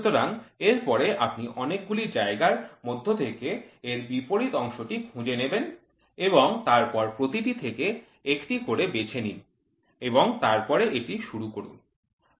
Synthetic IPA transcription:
t̪oɾaŋeɾpɔɾeʔapniʔɔnek̚ɡulid͡ʑaeɡaɾmod̪ʱːot̪ʰekeːɾbipoɾit̪ɔŋʃoʈikʰũd͡ʑeneben | eboŋt̪aɾpɔɾpɾot̪iʈit̪ʰeke | ekʈikoɾebet͡ɕʰenin | eboŋt̪aɾpɔɾeʔeʈiʃuɾukoɾṵn

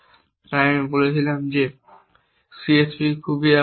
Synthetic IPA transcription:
t̪aamibolet͡ɕʰilamd͡ʑe | siespikʰubiɛ

